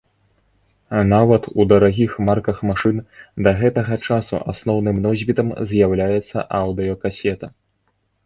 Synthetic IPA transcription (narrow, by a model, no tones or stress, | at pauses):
navɐt̪ud̪ɐɾaɣʲixmarkɐxmaʂɨnd̪ɐɣɛt̪ɐɣɐt͡ʂasṵʔa̰snɔwnɨmnɔzʲvʲit̪ɐmzʲjawlʲajɛt̪sːɐ̰ʔawd̪ɨɔkasʲɛt̪ɐ